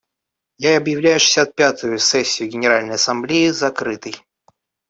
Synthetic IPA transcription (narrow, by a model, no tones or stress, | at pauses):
jaɐbjɪvlʲæjʊʂɨ̥sʲat̪̚pʲat̪ʊjʊsɛsʲːɪjʊɡʲɪnʲɪɾalʲnəjɐsɐmblʲiɪzɐkɾɨt̪əj